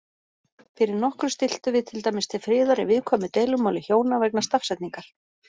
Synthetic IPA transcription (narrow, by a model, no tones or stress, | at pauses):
fɪɾɪɾnɔhkɾʏst̪ɪl̥t̪ʏvɪðt̪ʰɪlt̪ajmɪst̪ʰɪfɾɪːðaɾɪ̰vɪðkʰɔːmʏt̪eːjlʏmawlɪçjoːwnavɛknast̪afsɛjt̪niŋkaɾ̥